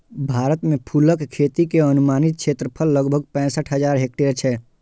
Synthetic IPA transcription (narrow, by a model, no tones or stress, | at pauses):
bʱaːɾət̪mẽpʰuləkkʰeːt̪ikeənʊmaːnɪt̪̚kʃʰeːt̪ɾəpʰəlːəɡbʱəɡpɛ̃ːsəʈʰɦəd͡ʒaːɾɦeːk̚ʈeəɾt͡ʃʰɛː